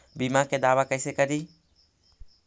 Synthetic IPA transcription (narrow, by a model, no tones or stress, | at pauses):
bimãked̪aːwakəjsekəɾi